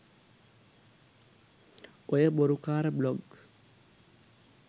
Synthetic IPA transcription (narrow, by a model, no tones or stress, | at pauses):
ojəboɾukaːɾəblɔɡ